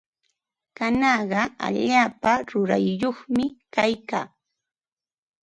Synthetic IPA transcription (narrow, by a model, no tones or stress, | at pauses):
kanɑɢɑa̰ʎaːpaɾʊɾa̰jjoχmɪkajkaː